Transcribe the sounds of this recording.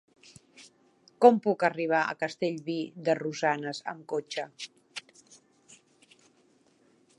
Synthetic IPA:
kɔmpukəriβ̞aə̰kəst̪eʎβid̪əruzanəzə̰mkot͡ʃə

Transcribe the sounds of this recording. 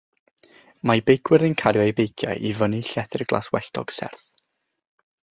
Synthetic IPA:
majbejkʰwɪɾɨnkʰaɾjaejbejkʰja̰jʔivəniɬɛθɪrɡlˠa̰swɛ̰ɬtʰɔ̰ɡ̥sɛ̰rθ

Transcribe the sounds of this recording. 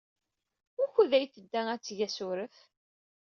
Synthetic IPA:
ʊɾçuðæjθəd̪ːææt͡sːʝæsʊɾəf

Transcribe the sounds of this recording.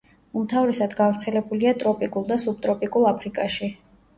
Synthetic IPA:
umt̪ʰavɾɛsad̪ɡavɾt̪sʰɛlɛbuliat̪ʼɾɔpʼikʼulˠd̪asub̚t̪ʼɾɔpʼikʼulˠapʰɾikʼaʃi

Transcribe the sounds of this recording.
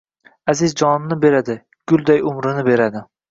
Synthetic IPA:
azɪzd͡ʒɒnɪnɪbe̞ɾad̪ɪ | ɡ̥ʊlˠd̪ajʊmɾɪnɪbe̞ɾad̪ɪ

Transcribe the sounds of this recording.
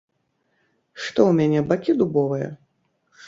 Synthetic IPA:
ʂt̪ɔwmʲanʲɛbakʲid̪ubɔvɨjɐ̰

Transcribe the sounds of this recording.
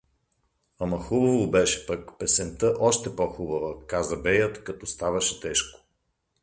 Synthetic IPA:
amɐxubɐvobɛʃɛ̥pəkpɛsɛnt̪əʔɔʃt̪ɛpɔxubɐvəkazɐbɛjət̪kɐt̪ɔst̪avɐʃɛt̪ɛʃko̥

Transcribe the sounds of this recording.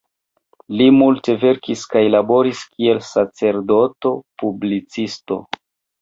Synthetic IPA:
limulte̞ve̞ɾkiskajlabo̞ɾiskie̞lsat͡se̞ɾdo̞to̞publit͡sisto̞̰

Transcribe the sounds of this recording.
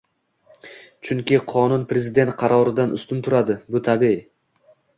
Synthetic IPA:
t͡ʃʰʊŋkʲɪqʰɒnʊnpɾe̞zɪd̪e̞nt̪̚qʰɑɾɒɾɪd̪anʔʊ̰st̪ʊnt̪ʰʊɾad̪ɪbʊt̪ʰabi

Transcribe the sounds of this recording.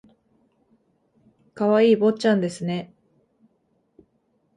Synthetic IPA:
kaβaiːbo̞t͡ɕãnd̪e̞sɨne̞

